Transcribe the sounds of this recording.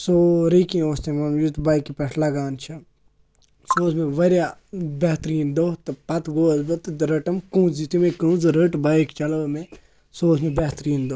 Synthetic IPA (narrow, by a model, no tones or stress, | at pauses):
soɾikĩoːst̪emɐmjut̪baːikipɐʈʰlɐɡaːnt͡ʃʰɐ | soːsmẽʋɐɾjabeɦt̪ɾiːnd̪oːt̪ɨpɐt̪ɡoːzbɐt̪ɨɾəʈɐmkũːzit̪imẽkũːzɾəʈbaikt͡ʃɐlɐʋmẽ | soːsmẽbeɦt̪ɾiːnd̪oː